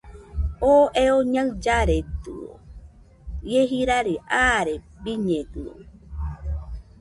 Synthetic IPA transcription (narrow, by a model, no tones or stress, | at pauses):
oʔeoɲãɨd͡ʒaɾet̪ɨ̰o̰ | jeɦiɾaɾeʔaɾe | biɲẽt̪ɨo̰